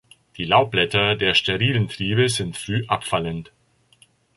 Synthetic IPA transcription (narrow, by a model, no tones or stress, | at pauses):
d̥iːlaʊb̥lɛtɐdeːɐʃteʁiːləntʁ̥iːbəzɪntfʁ̥yːʔapfalənt